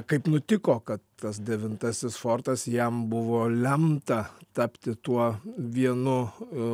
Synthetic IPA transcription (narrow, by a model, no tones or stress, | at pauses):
kɐɪpnʊt̪ʲɪkoːkɐt̪tɐs̬d̪ʲɛʋʲɪnt̪ɐsʲɪsfoːrt̪ɐsjɛmbʊʋoːlʲɛmt̪ɐt̪ɐpʲt̪ʲɪt̪uɔʋʲiɛnʊ